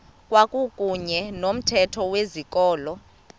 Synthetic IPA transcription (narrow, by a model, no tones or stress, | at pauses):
kʼwakʼukʼuɲɛnom̩tʰɛtʰɔwezik̬ʼɔːlɔ